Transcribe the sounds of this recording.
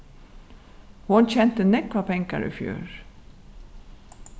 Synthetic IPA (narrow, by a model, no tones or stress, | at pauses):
hʊnçɛnt̪ənɛkʋɑːpʰɛŋka̰ɹʔḭfjʉ̰ːɹ